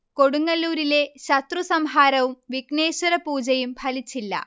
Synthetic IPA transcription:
ko̞ɽuŋːɐlːuːɾile̞ɕɐt̪rusɐmɦaːɾɐʋumʋiɡne̞ːɕɐɾɐpuːd͡ʑɐjumpʰɐlit͡ɕːilːɐ̰

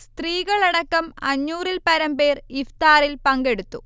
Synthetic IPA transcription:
st̪riːɣɐɭeɽɐkːɐmɐ̰ɲːuːrilpɐɾɐmpe̞ːrift̪aːrilpɐŋɡe̞ɽut̪ːu

